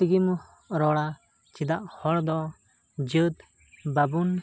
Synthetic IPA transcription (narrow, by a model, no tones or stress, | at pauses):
t̪iɡim | ɾɔɽa | t͡ʃid̪aʔhɔɽd̪ɔ | d͡ʒət̪ | babun